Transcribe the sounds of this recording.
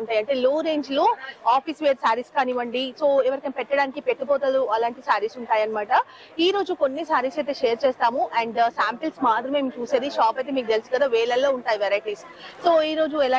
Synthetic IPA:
uɳʈaːjiɐɳʈe̞ːloːɾe̞ːɲd͡ʒloːaːpisʋeːɾsaːɾiskaːniːʋɐɳɖisoːeːʋɐɾɐkɐmpɛʈːɐɽaːnikipeʈːipoːt̪ɐluɐlaːɳʈisaːɾisuɳʈaːjɐnimaːʈɐ | iːɾo̞ːd͡ʒuko̞nːisaːɾisɐjt̪eːʃeːɾt͡ʃeːst̪aːmuʔɐɳɖsaːmpilsmaːd̪ɾɐmeːmt͡ʃuːseːd̪iʃaːpɐjt̪emiːk̚ut̪elisukɐd̪aːʋɛːɭɐlːo̞ːuɳʈaːjiʋɛɾajʈiːs | soːiːɾo̞ːd͡ʒuɛlaː

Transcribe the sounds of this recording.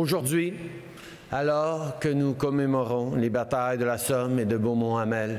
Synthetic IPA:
oʒuʁd̪ɥi | alɔːʁkənukɔmemɔʁɔ̃lebat̪ajd̪əlasɔmed̪əbomɔ̃amɛl

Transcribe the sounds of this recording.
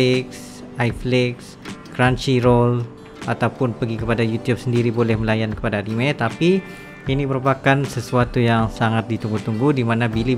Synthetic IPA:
ɪks | ajflɪks | kɾant͡ʃiɾol | ʔat̪awpʊnpəɡikəpadajut̪ijup̚səndiɾibolɛhməlajankə̥padadimɛt̪api | iniməɾupakansəsuat̪ujaŋsaŋat̪̚dit̪uŋɡut̪uŋɡudimanabili

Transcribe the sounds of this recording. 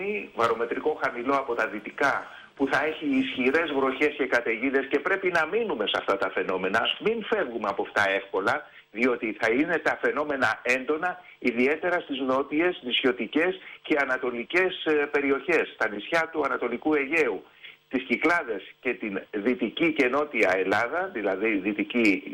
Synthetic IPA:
ivɐɾo̞me̞t̪ɾiko̞xɐmilo̞ɐpo̞t̪ɐðit̪ikɐ | puθɐe̞çiːsçiɾe̞zvɾo̞çe̞sce̞kɐt̪e̞ʝiðe̞sce̞pɾe̞pinɐminume̞seɐft̪ɐt̪ɐfe̞no̞me̞nɐmiɱfe̞vɣumeɐpoft̪ɐe̞fko̞lɐ | ðio̞t̪iθɐine̞t̪ɐfe̞no̞me̞nɐe̞nd̪o̞nɐ | iðie̞t̪e̞ɾɐst̪izno̞t̪ie̞snisço̞t̪ice̞sce̞ɐnɐt̪o̞lice̞spe̞ɾio̞çe̞st̪ɐnisçɐt̪uɐnɐt̪o̞likue̞ʝe̞u | t̪isciklɐðe̞sce̞t̪inðit̪icice̞no̞t̪iɐe̞lɐðɐðilɐðiðit̪ici

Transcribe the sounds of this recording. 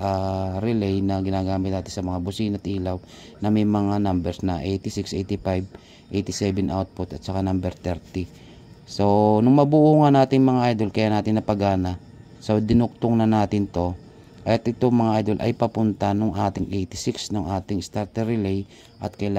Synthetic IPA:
ʔaɾɪlɛjnɐɡɪnaːɡaːmɪt̪naːt̪ɪnsɐmɐŋabʊsinɐt̪ʔiːlaw | nɐmɐjmɐŋanambɛɾsnɐʔejt̪ɪsɪksʔejt̪ɪfajb̚ | ʔejt̪ɪsɛbɛnʔawt̪̚pʊt̪ɐt̪̚sɐkanambɛɾt̪ɛɾt̪ɪ | so̞nʊŋmɐbʊʔuːŋanaːt̪ɪŋmɐŋaʔajd̪o̞lkɐjanaːt̪ɪnːɐpɐɡaːnɐ | sod̪ɪnʊk̚t̪ʊŋnɐnaːt̪ɪnt̪o̞ | ʔɐjt̪ʔɪt̪oŋmɐŋaʔajd̪o̞lʔɐ̰jpɐpʊnt̪anʊŋʔaːt̪ɪŋʔejt̪ɪsɪksnʊŋʔaːt̪ɪŋɪst̪aɾt̪ɛɾɪlɛj | ʔɐt̪̚kɐjla

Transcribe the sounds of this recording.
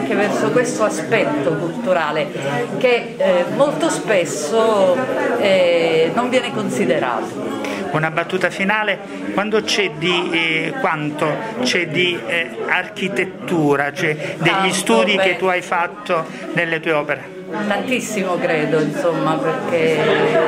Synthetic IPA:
ŋk̟evɛrsokwest̪oaspɛt̪ːokult̪uɾaːle | ke | molt̪ospesːo | ɛnoɱvjɛːnekonsid̪eɾa̰ːt̪ounabat̪ːuːt̪afinaːle | kwand̪ot͡ʃɛd̪ikwant̪ot͡ʃɛd̪iark̟it̪et̪ːuːɾat͡ʃɛd̪eʎːist̪uːd̪iket̪ːuajfat̪ːo | nelːet̪uːeɔːpeɾe | t̪ant̪isːimokɾeːd̪oinsomːaperke

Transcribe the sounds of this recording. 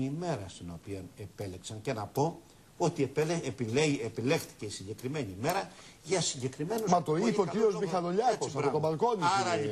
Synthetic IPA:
ime̞ɾɐst̪ino̞pione̞pe̞leksɐɲce̞nɐpo̞ | o̞t̪iepieepile̞xθi̥ce̞isiɲɟe̞kɾime̞ɲime̞ɾɐʝɐsiɲɟe̞kɾime̞numɐt̪oipeociɾiozmixɐloʎɐkiɾot̪obɐlkoniɐɾɐ

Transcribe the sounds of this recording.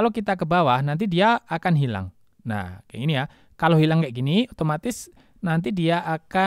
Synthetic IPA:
alokit̪akəbawahnant̪̬idiaːkanɦila̰ŋ | na̰hka̰inija | kaloɦilaŋkaʔɡiniot̪omat̪ɪs | nant̪̬idiaʔaka

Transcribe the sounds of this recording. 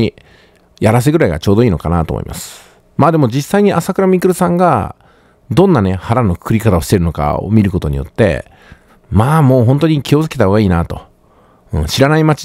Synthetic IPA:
i | jaɾas̬eɡɯɾaiɡa̰t͡ɕo̞ːd̪o̞iːno̞̰kana̰ːt̪o̰ːmo̰ḭmʔa̰sɨ̥ | maːd̪e̞mo̞d͡ʑisːaiɲ̟iʔasakɯɾamʲikɯ̟ɾɯsãŋɡa̰ | d̪õ̞nːane̞haɾano̞kkɯ̟ɾʲikat̪ao̞ɕi̥t̪e̞ɾɯ̟no̞ka̰o̰mʲiɾɯ̟ko̞t̪oɲ̟ḭjo̞̰t̪ːe̞̰ | maːmo̞ːɦõ̞nt̪o̞ɲ̟ikʲio̞zɨ̥ket̪aɦho̞ːɡaiːnat̪o̞̰ | ɯ̰̃ːɕiɾanaimat͡ɕi̥

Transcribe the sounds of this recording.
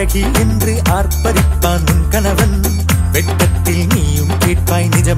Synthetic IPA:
ɐɣi | endrɯʔaːɾpɐɾɪpːaːnʊnkɐnɐʋɐn | ʋɛʈːɐt̪ːɪlniːjɯmkeːʈ̚paːjnɪd͡ʒɐ

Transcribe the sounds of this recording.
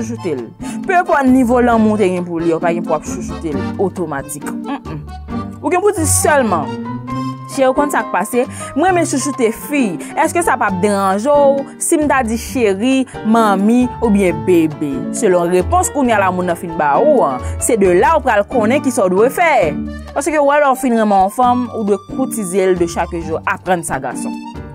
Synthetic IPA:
uʃ̬utelpɛpɔtnivolãmũteɡɛ̃p̬uliopaɡɛ̃puapsuʃutelotomat͡sikm̩m̩ | uɡɛ̃pud͡zisœlmɑ̃ | ʃeukɔ̃nsak̚pasemwɛ̃mɛ̃suʃutefijɛskøsapap̚deʁãʒow | sim̩t̪ad͡ziʃeʁimɐ̃mĩubjɛ̃bebesølɔ̃ʁepɔ̃skunjalamũnːãfinbauãsedølaupɣalkõnɛ̃kisaudwefɛpasøkøwɛlɔ̃ufinʁɛ̃mɛ̃ɔ̃fɐ̃mudwekʰutizeldøʃakʒuapʁãnsaɡa̰sɔ̰̃

